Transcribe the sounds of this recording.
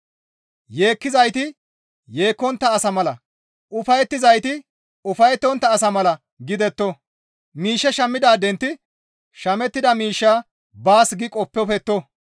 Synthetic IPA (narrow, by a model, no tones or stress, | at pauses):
je̞ːkːɪzɐjt̪ɪ | je̞ːkːɔnt̪ːɐːsɐmɐlɐ | ʔʊfɐjɛt̪ːɪzɐjt̪ɪ | ʊfɐjɛt̪ːɔnt̪ːɐːsɐmɐlɐ | ɡɪd̪ɛt̪ːɔ | miːʃːɛʃɐmːɪd̪aːd̪ɛnt̪ːɪ | ʃɐmɛt̪ːɪd̪ɐmiːʃːaː | baːsɡɪkʼɔpːɛfɛt̪ːɔ